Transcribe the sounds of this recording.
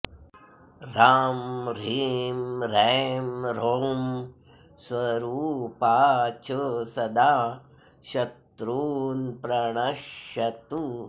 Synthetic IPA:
ɾaːmɾiːmɾeːmɾom | swɐɾuːpaːt͡ʃəsɐd̪aː | ʃɐt̪ɾuːnpɾɐɳɐʃɐt̪u

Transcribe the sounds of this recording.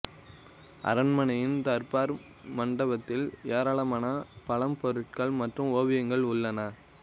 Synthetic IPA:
ʔɐ̰ɾɐnmɐnɐjɪnt̪ɐɾpaːɾ | mɐɳɖɐbɐt̪ːɪleːɾaːɭɐmaːnɐpɐlɐmpɔɾɯʈ̚kɐɭmɐʈrɯmoːʋɪjɐŋɡɐɭʊɭːɐnɐ

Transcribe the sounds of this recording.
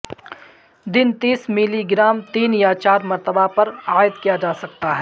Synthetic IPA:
d̪ɪnt̪iːsmɪliɡɪɾaːmt̪iːnjat͡ʃaːɾmɐɾt̪əbapɐɾaːɪd̪kijad͡ʒaːsɐk̚t̪aɦɛː

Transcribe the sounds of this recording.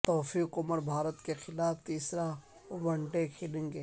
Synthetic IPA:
t̪ɔːfiːkʊməɾbʱaːɾət̪kexɪlaːft̪iːsɾa | ʋɐ̃ɳɖekʰɪlẽːŋɡeː

